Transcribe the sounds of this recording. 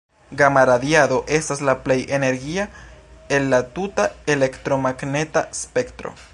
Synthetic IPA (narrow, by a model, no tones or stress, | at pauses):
ɡamaɾadjaðo̞ʔe̞staslaple̞jʔene̞ɾɡiaenlatutaele̞kt̪ɾo̞maɡne̞taspe̞kt̪ɾo̞̰